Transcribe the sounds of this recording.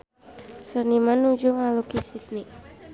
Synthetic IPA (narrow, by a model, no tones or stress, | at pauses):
sənimanːud͡ʒuŋalukisit̪̚ni